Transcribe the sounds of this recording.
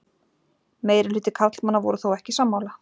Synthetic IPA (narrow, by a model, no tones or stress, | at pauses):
meːjɾɪlʏːt̪ɪkʰat̪l̥manːavɔ̰ɾʏθowɛhcɪsaːmːaːwla